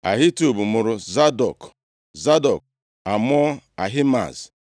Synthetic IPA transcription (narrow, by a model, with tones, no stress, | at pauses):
a̰˨ɦɪ˦tu˨bu˨mʊ˨ɾʊ˦za˦dɔ˨k | za˦dɔ˨k | a˨m˦ɔ˦a˨ɦɪ˦ma̰˨z